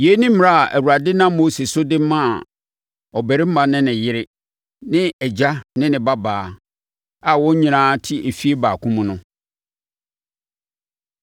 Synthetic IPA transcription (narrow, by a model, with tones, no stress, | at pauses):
je˨˦nĩ˦m̩˦m˦˨a˦a˨ʔæ˨wu˨ɾa˨dɪ˦nã˦mː˦o˦se˨sʊ˦dɪ˦mã˦˨ | ɔ˨bæ˨ɾɪ˦m̩˦mã˨nɪ̃˦nɪ̃˨jɪ˦ɾɪ˦ | nɪ̃˦ɛ˨d͡ʑa˦nɪ̃˦nɪ̃˨ba˦baː˨˦ | a˨wɔ̃˦ɲĩ˨ɾãː˦tʰi˦e˨fi˦e˦baː˨kʰʊ̃˦mʊ̃˦nʊ̃˦